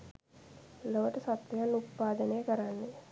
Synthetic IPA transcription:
loʋəʈəsat̪ʋɐjanːut̪̚paːd̪ənəjəkəɾanːe

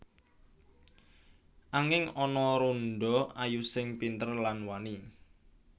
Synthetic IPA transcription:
ʔaŋɪŋɔnɔɾunɖɔajusɪŋpint̪ərlanwani

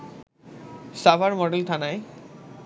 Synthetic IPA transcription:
safaɾmɔɖelt̪ʰanae

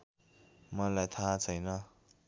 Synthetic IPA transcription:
mʌlajt̪ʰat͡sʰʌjnʌ

